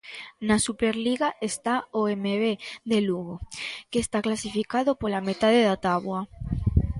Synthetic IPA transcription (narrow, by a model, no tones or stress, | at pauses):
nasupeɾliɣaʔest̪aoemeβeðeluɣokest̪aklasifikaðopolamet̪aðeðat̪aβwa